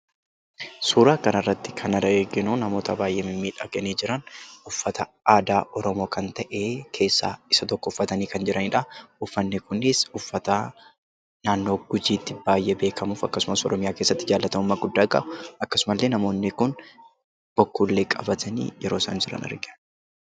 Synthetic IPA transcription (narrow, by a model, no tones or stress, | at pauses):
suːɾaːkɐnɐrːɐt̪ːɪ̥kʰɐnɐɾɐeːɡɪnunɐmo̞ːt̪ɐbaːjʔeːmɪmːiːᶑɐɡɐniːd͡ʒɪɾɐnʊfːɐt̪ɐ | aːd̪aːʔɔɾɔmo̞ːkɐnt̪ɐʔeːkʰe̞ːsːa̰ːɪsɐt̪ɔkːɔʊfːɐt̪ɐniːkɐnd͡ʒɪɾʔɐniᶑɐʊfːɐnːɪkʊnɪsʊfːɐt̪a | naːnːo̞ːɡ̥ʊd͡ʒiːt̪ːɪb̥aːjʔɛbe̞ːkʰɐmuːfɐkːɐsʊmɐsɔ̰ɾɔmɪjaːke̞ːsːɐt̪ːɪd͡ʒaːlːɐt̪ɐmʊmːɐɡʊd̪ːaːkʼɐ̰ʔʊʔɐkːɐsʊmɐlːeːnɐmo̞ːnːɪkʊn | b̥ɔkːuːlːeːkʼɐ̰bɐt̪ʰɐnḭːjɛɾoːsɐ̰nd͡ʒɪɾɐ̰nɐ̰ɾɡɪ